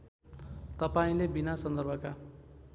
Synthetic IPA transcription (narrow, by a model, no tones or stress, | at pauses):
t̪ʌpaĩlebinasʌnd̪ʌrbʱʌka